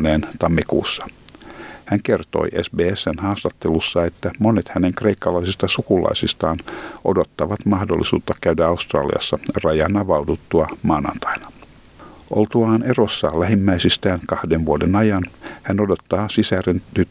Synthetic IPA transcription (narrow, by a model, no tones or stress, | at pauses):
neːnt̪ɑmːikṵːsːɑ̥ | hæŋkert̪o̰iʔḛsbeːesːænhɑːst̪ɑt̪ːelusːɑe̞t̪ːæmonet̪hæneŋkre̞ikːɑlɑisist̪ɑsukulɑ̰isist̪ɑːnʔo̰dot̪ːɑʋɑt̪mɑhdolːisṵːt̪ːɑkæydæɑust̪rɑ̰ːlḭɑ̰sːɑrɑjɑnɑʋɑut̪ut̪ːuɑmɑːnɑ̰nt̪ɑ̥inɑ̥ | ʔolt̪uɑːne̞rosːɑ̰ːlæɦimːæisist̪æːŋkɑhdenʋuodenɑjɑnhænodot̪ːɑːsisærent̪yt̪ː